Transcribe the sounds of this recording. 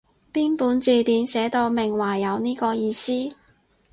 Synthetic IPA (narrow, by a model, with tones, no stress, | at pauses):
piː˥npuː˨˥nt͡siː˧t̪iː˨˧nsɛː˨˥t̪o˧wmɪ˨ŋwaː˨˩jːɐ˨˧wniː˥kɔː˧jiː˧siː˥